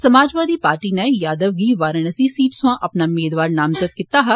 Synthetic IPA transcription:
səmaːd͡ʒʋaːd̪iːpaːɾʈiːnɛːjaːd̪əʋɡiːʋaːɾəɳəsiːsiːʈsʊãːʔəpnaːʊmeːd̪ʋaːɾnaːmzət̪̚kɪt̪aːɦɐ

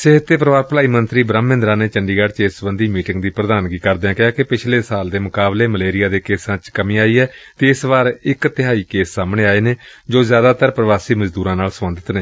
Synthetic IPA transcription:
sɪɦət̪ːeːpɾəʋaːɾplaːiːmənt̪ɾiːbɾəmːɪ̃nd̪ɾaːneːt͡ʃəɳɖiːɡaːɖt͡ʃeːsəbənd̪iːmiːʈɪŋɡd̪iːpɾəd̪aːnɡiːkəɾd̪eãːkɪaːkɪpɪt͡ʃʰleːsaːld̪eːmʊkaːbleːməleːɾɪjaːd̪eːkeːsãːt͡ʃkəmĩːaːiːɛːt̪eːɪsbaːɾɪkt̪ɪɦaːiːkeːsːaːmɳeːaːeːneːd͡ʒoːzjaːd̪aːt̪əɾpɾəʋaːsiːməzd̪uːɾãːnaːlsəmənd̪ət̪neː

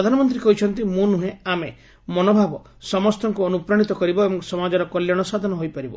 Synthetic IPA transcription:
d̪ʱanɔmɔnt̪ɾikɔɦit͡ʃʰɔnt̪imũnũɦẽame | mɔnobʱabɔ | sɔmɔst̪ɔŋkuɔnupɾaɽ̃it̪ɔkɔɾibɔebɔŋsɔmad͡ʒɔɾɔkɔljaɽ̃ɔsad̪ʱɔnɔɦojpaɾibɔ̰

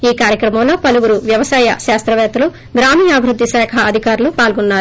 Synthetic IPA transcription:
iːkaːɾjɐkɾɐmɐmlo̞ːpɐluʋuɾuʋjɐʋɐsaːjɐ̰ʃaːst̪ɾɐʋɛːt̪ɐlu | ɡɾaːmiːjaːbʱiɾud̪ːisaːkʰɐːd̪ʱikaːɾulupaːlɡɔnːaːɾu

